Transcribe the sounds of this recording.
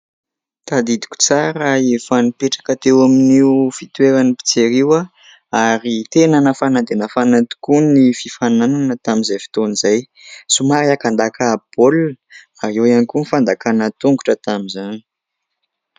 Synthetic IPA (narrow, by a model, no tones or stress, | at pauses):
t̪ad̪id̪i̥kʲu̥t͡saɾaefanipeʈ͡ʂḁkət̪ewaminiufit̪weɾanipi̥t͡seɾiwa | aɾit̪enənəfanad̪enəfanat̪i̥kunififanananət̪amizajfi̥t̪onizaj | sumaɾiakand̪akaːpol | aewianikunifand̪akanət̪uŋɡuʈ͡ʂət̪amizani